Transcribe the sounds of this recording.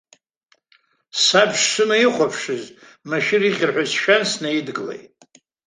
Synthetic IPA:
sabʂsɨnaiχʷapʰʂɨz | maʃiɾiʁʲɪrħʷᶣazʃᶣansnaidɡɨlḛjtʼ

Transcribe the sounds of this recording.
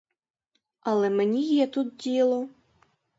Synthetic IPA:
ɐlˠɛmɛnʲijɛt̪ut̪̚d͡zʲijlˠɔ

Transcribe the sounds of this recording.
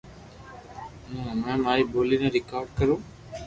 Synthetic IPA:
ɦũːmɛ̃ːmaːɾiːbʱoːliːnẽːɾɪkaːɾɖ̚kəɾõː

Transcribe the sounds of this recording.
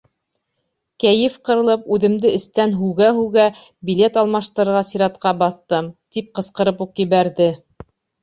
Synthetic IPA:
kæjɘfqɤ̆ɾɤ̆lˠɤpʉðɘ̆md̪ɘɘ̆st̪ænɦʉɡæɦʉɡæ | bʲilʲet̪ɑlˠmɑʃt̪ɤ̆ɾɤ̆ɾʁɑsiɾɑt̪qɑbɑθt̪ɤmt̪ip̚qɤ̆sqɤ̆ɾɤpuqjɘ̆βæɾðɘ

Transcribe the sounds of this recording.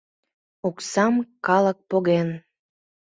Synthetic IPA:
oksɑmkɑlək̚poɣen

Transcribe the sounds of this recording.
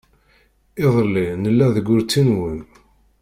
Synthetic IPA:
ɪðˤlːinəlːæðəɡːʊɾt͡sːinwən

